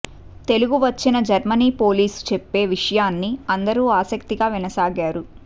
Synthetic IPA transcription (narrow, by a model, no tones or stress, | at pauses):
t̪e̞luɡuʋɐt͡ʃːinɐd͡ʒɐɾmɐniːpo̞ːliːst͡ʃepːe̞ːʋiʂɐjaːnːiɐnd̪ɐɾuːaːsɐkt̪iɡaːʋinɐsaːɡaːɾu